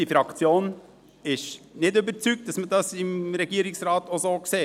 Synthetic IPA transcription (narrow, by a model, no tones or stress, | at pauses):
ifɾɑkt͡sjoːn | ɪʃnɪdøbəɾt͡syk̚t̚d̥ɑsmədɑsɪmɾɛɡ̥iəɾɪksɾɑːtosoːkseː